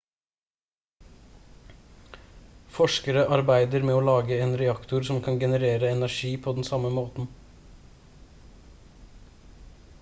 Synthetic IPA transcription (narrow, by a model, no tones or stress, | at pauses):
fɔʂkəɾəʔɑɾbæɪd̪əɾmeːoːlɑːɡəeːnɾɛɑkt̪ʊɾsɔmkʰɑnɡɛnəɾeːɾəɛnæʂiːpʰoːd̪ɛnsɑməmoːt̪n̩